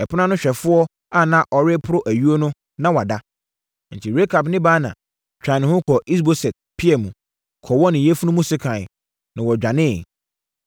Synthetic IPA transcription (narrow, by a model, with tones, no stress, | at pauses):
ɛ˨pʰʊ˦ã˦nʊ̃˦ɕᶣɛ˨fʊ˦ɔ˦ | a˦˨nã˦ʔɔ˨ɾɪ˦pʰʊ˦ɾʊ˦ʔæ˨ɥu˦o˦nʊ̃˦ | nã˦wa˨da˦ | n̩˨tʰi˨ɾe˦kʰa˨bnɪ̃˦baː˦nã̰˨ | t͡ɕᶣã˨nɪ̃˨hʊ̃˦kʰɔ˨ʔi˦s̬bo˦sɛ˨t̚pʰi˦ɛ˨mũ˨ | kʰɔ˨wɔ˦nɪ̃˨jɛ˦fu˦nũ˦mũ˦sɪ˦kʰã˨n˨ | nã˨wɔ˨d͡ʑᶣã˨nɪ̃˦˨